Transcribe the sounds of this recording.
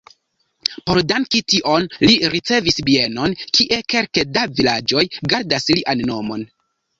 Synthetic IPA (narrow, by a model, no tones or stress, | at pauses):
po̞ɾdaŋkitiʔo̞nliɾit͡se̞visbie̞no̞nkiʔe̞ke̞lkedavilad͡ʒo̞jɡaɾdasliʔanːo̞mo̞n